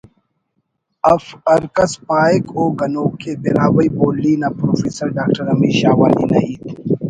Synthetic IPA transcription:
ɐfɐɾkɐspaːekoːɡɐnoːkːeːbiɾaːwɐiboːlːiːnaːpɾoːfiːsɐɾɖaːk̚ʈɐɾɐmiːɕaːwaːnḭːnɐ̰iːt̪ʰ

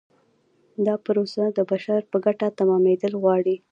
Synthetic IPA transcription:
d̪ɑpɾosad̪əbaʃaɾpəɡaʈat̪amɑmed̪əlɣwɑɽi

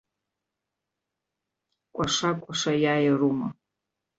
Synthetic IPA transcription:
kʷʼaʂakʷʼaʂajajaruma

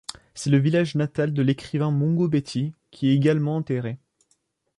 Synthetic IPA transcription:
sɛləvilaʒnat̪ald̪əlekχivɛ̃mɔ̃ɡobet̪ʰikʲʰiɛeɡalmɑ̃ɑ̃t̪eʁe

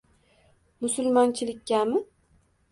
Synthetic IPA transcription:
mʊsʊlˠmɒnt͡ʃʰɪlɪkʲʰːamɪ

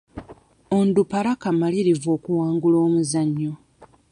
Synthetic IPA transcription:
ondupalakamaliɾivo̞ːkuwaːŋɡulo̞ːmuzaɲːo

